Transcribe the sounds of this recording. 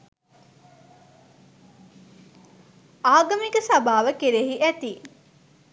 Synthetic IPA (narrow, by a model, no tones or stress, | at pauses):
aːɡɐmikəsabaːʋəkeɾeɦiʔæt̪i